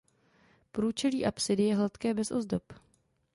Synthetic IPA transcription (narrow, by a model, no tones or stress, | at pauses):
pɾuːt͡ʃɛliːʔapsɪdɪjɛɦlat̪kɛːbɛsʔo̞̰zdop